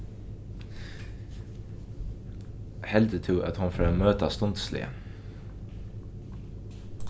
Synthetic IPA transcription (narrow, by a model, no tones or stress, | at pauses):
hɛld̪ət̪ʰɪːʔɑ̰t̪hʊnføːmøːt̪ast̪ɔnt̪slɪ̰ə̰